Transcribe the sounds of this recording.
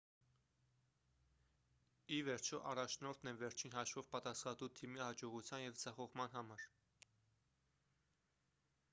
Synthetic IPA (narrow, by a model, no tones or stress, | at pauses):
ivɛɾt͡ʃʰɔʔɑrɑt͡ʃʰnɔɾt̪ʰnɛvɛɾt͡ʃʰinɦɑʃvɔvpɑt̪ɑsχɑt̪ut̪ʰimihɑd͡ʒɔʁut͡sʰjɑnjɛvd͡zɑχɔʁmɑn̪ɦɑmɑɾ